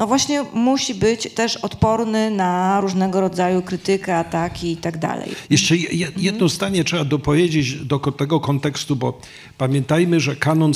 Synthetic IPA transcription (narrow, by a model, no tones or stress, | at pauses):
nɔvwaɕɲɛmuɕibɘt͡ɕt̪ɛʂɔt̪pɔɾnɘnaɾuʐnɛɡɔɾɔd̪zajukɾɘt̪ɘkɛat̪akʲiːt̪aɡd̪a̰lɛ̰jjjɛʂt͡ʂɛjjɛjɛd̪nɔzd̪aɲɛtʂɛbad̪ɔpɔvʲjed͡ʑed͡ʑd̪ɔkɔt̪ɛɡɔkɔnt̪ɛkst̪ubɔ | pamʲjɛnt̪ajmɘʐɛkanɔn